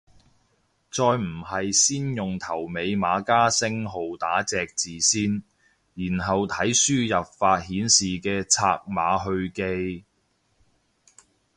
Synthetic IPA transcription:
t͡sɔː˧jm̩˨˩hɐ˨jsiː˥njʊ˨ŋt̪ʰɐ˨˩wme˨˧jmaː˨˧kaː˥sɪ˥ŋɦo˨wt̪aː˨˥t͡sɛː˨k̚t͡siː˨siː˥n | jiː˨˩nɦɐ˨wt̪ʰɐ˨˥jsyː˥jɐ˨p̚faː˧t̚hiː˨˥nsiː˨kɛː˧t͡sʰa̰ː˧k̚ma̰ː˨˧ɦɵ˧ɥke˧˥j

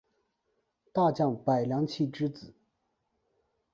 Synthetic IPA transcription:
t̪a˥˧t͡ɕjɑ˥˩ŋpa˨˩ɪljɑ˧˥ŋt͡ɕʰi˥˩ʈ͡ʂɻ̩˥t͡sɹ̩˨˩˦

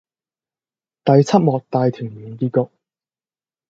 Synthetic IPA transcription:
t̪ɐ˨jt͡sʰɐ˥t̚mɔː˨k̚t̪aː˨˧jt̪ʰyː˨˩ŋmiː˨˥nkiː˧kɔ˨˧k̚

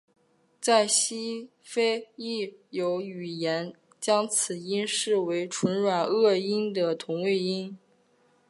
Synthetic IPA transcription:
t͡sa˥˩ɪɕi˥ | fe˥ɪi˥˩jo˧˥ʊy˨˩jɛ˧˥n | t͡ɕjɑ˥ŋt͡sʰɹ̩˨˩i˥nʂɻ̩˥˩we˧˥ɪʈ͡ʂʰwə˧˥nɻwa˨˩nɤ˥˩i˥nd̪ə˨t̪ʰʊ˧˥ŋwe˥˩ɪi˥n

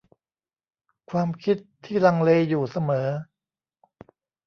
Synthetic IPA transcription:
kʰwaː˧mkʰi˦˥t̪ʰːiː˥˩la˧ŋleː˧juː˨˩sa˧mɤː˩˦

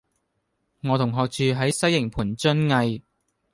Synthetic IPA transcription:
ŋɔː˨˧t̪ʰʊ˨˩ŋɦɔː˨˧k̚t͡ʃyː˨˧ɦɐ˨˥jsɐ˥jːɪ˨˩ŋpʰuː˨˩nt͡sɵ˥nŋɐ˧j

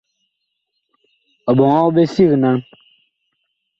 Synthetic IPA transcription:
ɔ˨bɔ˨ŋɔ˦wbe˦si˦˨ɣna˦ŋ

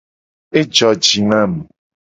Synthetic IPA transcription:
e˦d͡ʒɔ˨d͡ʒi˨nã˦m˨

